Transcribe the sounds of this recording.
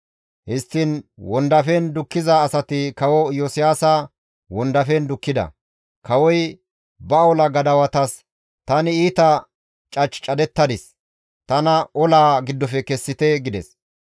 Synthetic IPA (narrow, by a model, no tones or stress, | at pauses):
hɪst̪ːɪnwɔnd̪ɐfɛnd̪ʊkːɪzɐːsɐt̪ɪkɐwɔjoːsɪjaːsɐ | wɔnd̪ɐfɛnd̪ʊkːɪd̪ɐ̰ | kʰɐwɔj | bɐɔlɐɡɐd̪ɐwɐt̪ɐs | t̪ɐnɪiːt̪ɐ | t͡ʃʼɐt͡ʃʼːt͡ʃʼɐd̪ɛt̪ːɐd̪ɪs | t̪ɐnɐʔɔlaːɡɪd̪ːɔfɛkɛsːɪt̪ɛɡɪd̪ɛ̰s